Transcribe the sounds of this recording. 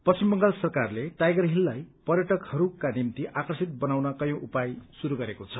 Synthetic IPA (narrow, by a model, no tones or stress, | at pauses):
pʌst͡simbʌŋɡalsʌrkarleʈajɡʌrɦilːajpʌrjʌʈʌkhʌɾukanimt̪iʔakrʌsit̪̚bʌnawnʌkʌjõʔupajsuɾuɡʌɾekot͡sʰʌ